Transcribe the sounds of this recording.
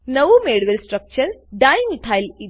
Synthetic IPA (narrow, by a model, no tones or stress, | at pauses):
nəʋumeɽʋelsʈɾək̚t͡ɕəɾɖajŋit̪ʰajli